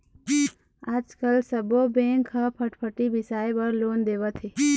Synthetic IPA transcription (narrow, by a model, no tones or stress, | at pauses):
aːd͡ʒkəlsəbobẽːŋkʰəpʰəʈpʰəʈibɪsaːebəɾloːnd̪eːʋət̪ʰeː